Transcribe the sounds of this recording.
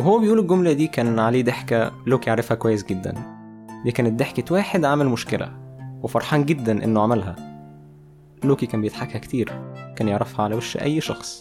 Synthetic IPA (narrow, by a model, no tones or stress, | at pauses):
weɦowːæbejʔuːlelɡomlæd̪iːkæːnʕaleːd̪eħkæloːkijeʕɾˤɑfhækowæjːesɡed̪ːæ̰n | d̪iːkæːnet̪̚d̪eħket̪wæːħed̪ʕamelmoʃkelæ̰wefɑɾˤħɑːnɡed̪ːænʔḛnːoʕamælɦæ | loːkikæːmbejet̪ħakhækt̪iːɾkæːnjeʕɾˤɑfhɑʕalæwæʃːʔæ̰jːʃɑ̰xsˤ